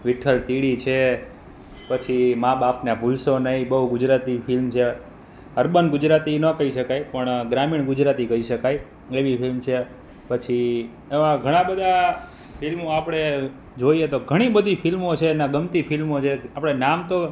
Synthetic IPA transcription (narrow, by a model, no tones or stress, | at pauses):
ʋiʈʰəlt̪iɽit͡ʃʰe | pət͡ʃʰimãbapnabʱulsonəɦĩbəɦuɡʊd͡ʒɾat̪ifɪlmt͡ʃʰe | əɾbənɡʊd͡ʒɾat̪inəkəɦiʃəkajpəɳɡɾamiɳɡʊd͡ʒɾat̪ikəiʃəkaj | eʋifʰilmt͡ʃʰe | pət͡ʃʰi | emãɡʱəɽ̃ãbəd̪ʱa | pʰilmoapəɽ̃e | d͡ʒoiet̪oɡʱəɽ̃ibəd̪ʱipʰilmot͡ʃʰenaɡəmt̪ipʰilmot͡ʃʰeapɽ̃enamt̪o